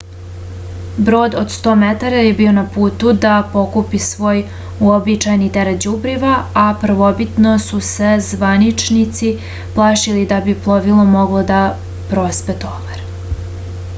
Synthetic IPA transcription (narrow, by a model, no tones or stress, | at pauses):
bɾo̞ːd̪od̪st̪o̞ːmet̪aɾaje̞bio̞napuːt̪ud̪apo̞kupisʋo̞ːj | uobit͡ʃajnit̪eɾet̪d͡ʑubɾiʋaːpr̩ʋobit̪nosuse̞zʋanit͡ʃnit̪si | plˠaːʃilid̪abiplˠoʋilˠomoɡlod̪a | pɾospet̪obaɾ